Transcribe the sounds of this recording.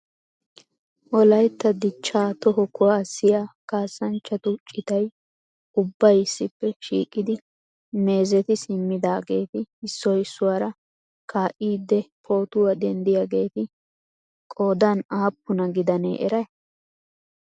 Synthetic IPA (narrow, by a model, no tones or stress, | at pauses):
ʔɔlɐjt̪ːɐd̪ɪt͡ʃːaːt̪ɔɦɔkʰʊwaːsɪjaːkaːsːɐnt͡ʃːɐt̪ʊt͡ʃʼːɪt̪ɐj | ʊbːɐjɪsːɪpːɛʃḭːkʼːɪd̪ɪ | me̞ːzɛt̪ɪsɪmːɪd̪aːɡe̞ːt̪ɪɪsːɔjɪsːʊwaːɾɐ | kaːʔiːd̪ːɛpʰo̞ːt̪ʊwɐd̪ɛnd̪ɪjaːɡe̞ːt̪ɪ | kʼo̞ːd̪anaːpːʊnɐɡɪd̪ɐnḛːʔɛɾɐj